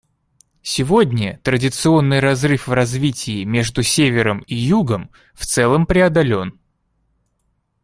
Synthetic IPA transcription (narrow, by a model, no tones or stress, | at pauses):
sʲɪvo̞dʲnʲət̪ɾədʲɪt̪sɨo̞nːɨjrɐzrɨfvrɐzvʲitʲɪːmʲe̞ʐd̪ʊsʲevʲɪɾəmijuɡəm | ft̪sɛlˠəmpɾʲɪɐd̪ɐlʲo̞n